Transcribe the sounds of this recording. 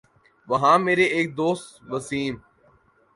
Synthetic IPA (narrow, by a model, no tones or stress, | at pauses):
ʋəɦãːmeːɾeeːk̚d̪oːst̪ʋəsiːm